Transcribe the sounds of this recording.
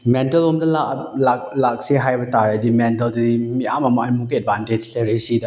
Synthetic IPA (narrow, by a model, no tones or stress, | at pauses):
mentɐlomdɐlalak̚lak̚seɦajbɐtaɾadimentɐldɐdimiamɐmɐːjmuk̬iɛd̚bʱanted͡ʒleɾesidɐ